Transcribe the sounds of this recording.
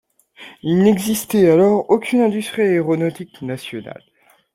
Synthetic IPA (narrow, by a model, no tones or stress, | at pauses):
ilnɛɡzist̪ɛalɔʁokʲʰynɛ̃d̪yst̪χieʁɔnɔt̪iknasjɔna̰l